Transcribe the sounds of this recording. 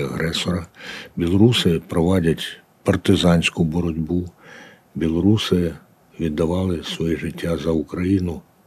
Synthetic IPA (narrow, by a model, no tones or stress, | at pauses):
ɐɦɾɛsɔɾɐbʲilˠɔɾusɪpɾɔʋɑdʲɐtʲ | pɐrt̪ɪzɑnʲsʲkʊbɔɾɔdʲbu | bʲilˠɔɾusɪ | ʋʲid̪ːɐʋɑlˠɪsʋɔjiʒɪtʲːazɐʊkɾɐjinʊ